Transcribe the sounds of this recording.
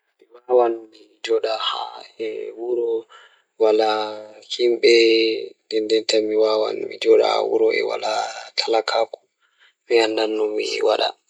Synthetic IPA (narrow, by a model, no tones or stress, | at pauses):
miwawanmi | d͡ʒɔɗaha̰ɛwuɾɔ | walahimɓɛndɛndɛntamiwawa̰nmḭd͡ʒɔɗa̰ha̰wṵɾɔʔɛ̰wa̰latʰalakʰaku̥ | miandanːɔmiwaɗa̰